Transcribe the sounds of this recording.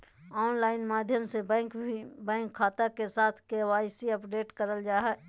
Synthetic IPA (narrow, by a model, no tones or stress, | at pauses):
ɔːnlaːɪnmaːd̪ʱjəmsebɛ̃ːkbɛ̃ːŋkʰːaːt̪akesaːt̪ʰkewaːɪsiɐpɖeːʈkəɾəld͡ʒaːɦɛː